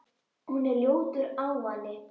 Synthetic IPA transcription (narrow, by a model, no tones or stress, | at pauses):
hunɛljowt̪ʏɾawvanːɪ